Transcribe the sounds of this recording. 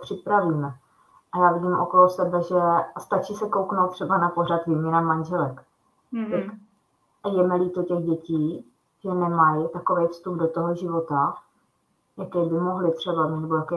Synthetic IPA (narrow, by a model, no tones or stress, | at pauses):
pr̝̥ɪpɾaviːmɛ | ʔajaːvɪɟiːmʔo̰ko̞losɛbɛʒɛst̪at͡ʃisɛko̞wknowt̪ːr̥ɛbanapo̞rat̪viːmɲɛnamanʒɛlɛk | t̪ak | ʔajɛmɛliːt̪ocɛɣɟɛciː | ʒɛnɛmajt̪ako̞vɛjfst̪ubdot̪oɦoʒɪvo̞t̪a | jakɛːbɪmoɦlɪt̪r̝̥ɛbamiːt̪vɛkɛ